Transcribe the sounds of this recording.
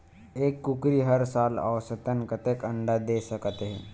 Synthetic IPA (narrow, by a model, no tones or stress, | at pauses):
ekːukɾiːɦəɾsala̰ʋsət̪ənkət̪ekəɳɖad̪esəkət̪əɦḛ